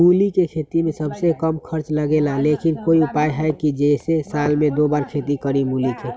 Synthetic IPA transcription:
mulikekʰet̪imẽsəbsekəmkʰəɾt͡ʃləɡelalekɪnkoiʊpajɦɛekid͡ʒesesalmẽd̪obaːɾkʰet̪ikəɾimulike

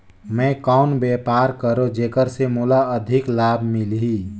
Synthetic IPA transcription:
mɛ̃kaʊnbepaːɾkəɾod͡ʒeːkəɾsemulaəd̪ʱɪklabʱmilɦi

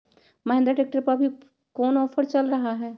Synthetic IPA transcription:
mɐɦẽnd̪ɾaʈeːk̚ʈəɾpɐɾbʱi | kɔːnɔːfəɾt͡ʃɐlɾɐɦaɦɛː

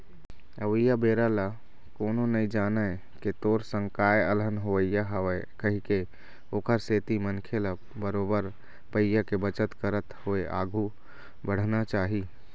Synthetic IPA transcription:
əʋəijabeɾala | koːnonəid͡ʒaːnə | ket̪oɾsə̃ŋkajələnɦoəjjaɦəəkəɦike | oːkəɾset̪imənkʰela | bəɾobəɾ | pəjjakebət͡ʃət̪kəɾət̪hoeʔa̰ːɡʱu | bəɽ̤nat͡ʃaːɦi

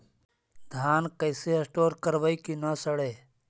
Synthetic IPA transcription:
d̪ʱaːnkɐjseɐsʈoːɾkɐɾʋɐikinasɐɽeː

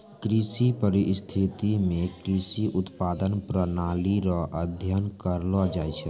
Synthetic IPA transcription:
kɾisipəɾɪst̪ʰɪt̪imẽkɾisiʔʊt̪paːd̪ənpɾənaːliɾɔʔəd̪ʱjənkəɾlɔd͡ʒaːt͡ʃʰɛ

